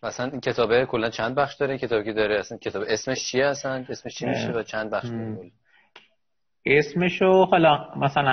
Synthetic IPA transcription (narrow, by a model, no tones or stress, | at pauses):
væːsænincʲʰe̞t̪ʰɒːbekʰo̞lːænt͡ʃʰænd̪̚bæχʃd̪ɒːɾecʰe̞t̪ʰɒːbecʰed̪ɒːɾeæsænkʲcʰe̞t̪ʰɒːbeʔesme̞ʃt͡ʃʰieæsæne̞smeʃt͡ʃʰimiʃevæt͡ʃʰænd̪̚bæχʃd̪ɾekʰolːæn | esmeʃohelɒmæsælæ